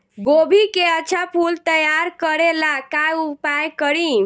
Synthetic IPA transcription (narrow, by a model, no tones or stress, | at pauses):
ɡobʱikeəːt͡ʃʰapʰult̪əjaɾkəɾelakajupajkəɾi